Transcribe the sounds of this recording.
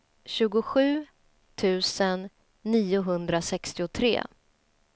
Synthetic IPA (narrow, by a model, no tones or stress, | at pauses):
ɕʉ̟ːɡʊɧʉ̟ː | t̪ʰʉ̟ːsənː | iːʊɦɵnd̪ɾasɛkst̪ɪʊt̪ʰɾḛː